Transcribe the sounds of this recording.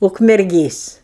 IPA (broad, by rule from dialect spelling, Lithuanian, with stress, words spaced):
ʊkmʲɛrʲˈɡʲeːs